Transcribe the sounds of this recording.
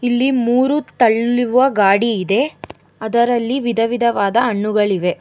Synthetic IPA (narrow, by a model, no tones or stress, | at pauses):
ilːimuːɾut̪ɐɭːuʋʋɐɡaːɽiːd̪e̞ | ɐd̪ɐɾɐlːiʋid̪ʱɐʋid̪ʱɐʋaːd̪ɐɐɳːuɡɐɭiʋe̞